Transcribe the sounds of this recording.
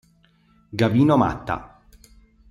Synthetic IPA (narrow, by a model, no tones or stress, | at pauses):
ɡaviːnoma̰t̪ːa̰